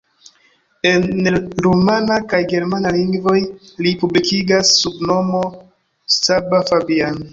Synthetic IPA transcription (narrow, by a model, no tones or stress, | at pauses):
e̞nɾomanakajɡe̞ɾmanaliŋɡvo̞j | lipublikiɡasːubno̞mo̞ | sabafabian